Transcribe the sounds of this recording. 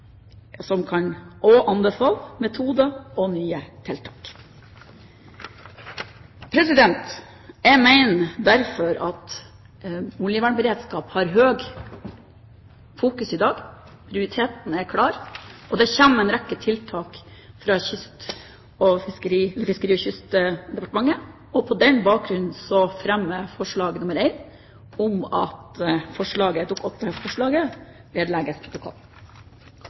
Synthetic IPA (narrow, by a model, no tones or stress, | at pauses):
sɔmkʰɑnoːʔɑnd̪əfɑlːmɛt̪ʰuːd̪əɔnyːət̪ʰɪlt̪ʰɑːk | pʰɾɛsɪd̪ɛnt̪ | æmæɪnd̪æɾfɔɾɑt̪ | ʊljəʋæːɳbəɾeːd̪skɑːphɑɾɦøːɡ | fuːkʉsɪd̪ɑːɡ | pʰɾɪʊɾɪt̪ʰeːt̪n̩æɾkʰɽɑːɾʔɔd̪ɛçɛnːɛɪnɾɛkːət̪ʰɪlt̪ʰɑːkfɾɑçʏst̪ | ɔfɪskəɾiːɛlːəɾfɪskəɾiːɔçʏst̪d̪ɛpɑʈ̪əmɑŋːə | ɔpʰɔd̪ɛnbɑːk̚ɡɾʉnn̩sɔfɾɛmːəfɔʂɭɑːɡnʊməɾeɪn | ɔmɑ̰t̪fɔʂɭɑːɡəd̪ʊkːɔt̪ːəhɛft̪fɔʂɭɑːɡəbeɖ̪læɡəspʰɾʊt̪ʊkʰɔ̰lː